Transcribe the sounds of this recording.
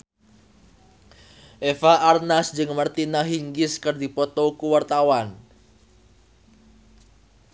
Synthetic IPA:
ʔefaʔːrnasd͡ʒɨŋmərt̪inaɦiŋɡɪskərd̪ipɔt̪ɔkuwart̪awan

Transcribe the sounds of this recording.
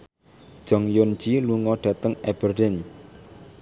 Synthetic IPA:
d̥ʒ̥ɔ̤ŋjond͡ʒiluŋɔɖ̥ä̤t̪əŋɛb̥ərdɛn

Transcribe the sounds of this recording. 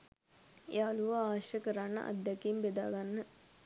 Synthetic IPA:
ealuʋaaːʃjəkəɾanːə̰ʔa̰d̪ːjakiːmbed̪aːɡanːə

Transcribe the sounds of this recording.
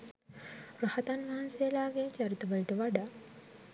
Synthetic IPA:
ɾahɐt̪anʋaɦɐnseːlaːɡet͡ʃɐɾit̪uʋɐliʈəʋaɖaː

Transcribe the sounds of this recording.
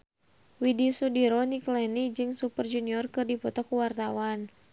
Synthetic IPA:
widisudiɾɔniklɛnid͡ʒɨŋsupərd͡ʒuniɔrkɨrdipɔt̪ɔkuwart̪awan

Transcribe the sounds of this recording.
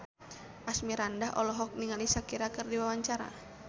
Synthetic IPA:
ʔasmiɾandaɦɔlɔɦɔk̚niŋalisakiɾakərdiwawaɲt͡ʃaɾa̰

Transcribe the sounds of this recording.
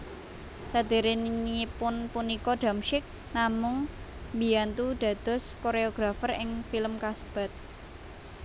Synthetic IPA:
sad̪̥e̤ɾeninipʊnpunikɔɖ̥a̤mʃɪk̚ | namʊŋ | mbiant̪ud̪̥ä̤d̪̥ɔ̤skoɾeoɡ̥ɾafərɪŋfiləmkasə̥b̥a̤t̪̚

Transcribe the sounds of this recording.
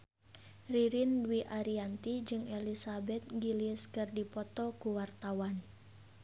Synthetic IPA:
riɾindwiʔaɾiant̪id͡ʒɨŋɛlisabɛt̪̚ŋɡiliskɨrdipɔt̪ɔkuwart̪awan

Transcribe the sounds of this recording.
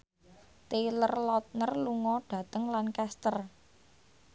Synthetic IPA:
t̪elərlɔt̪̚nərluŋɔɖ̥ä̤t̪əŋlankɛst̪ər

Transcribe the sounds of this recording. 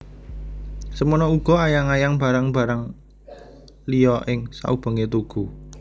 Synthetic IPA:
səmɔnɔuɡ̥ɔ̤ajaŋajaŋb̥a̤ɾaŋb̥ä̤ɾaŋ | lijɔʔɪŋsa̰ʔub̥ə̤ŋet̪uɡ̥u

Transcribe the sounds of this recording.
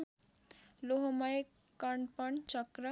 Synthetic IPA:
loɦomʌj | kʌɳɖpʌɳt͡sʌkrʌ

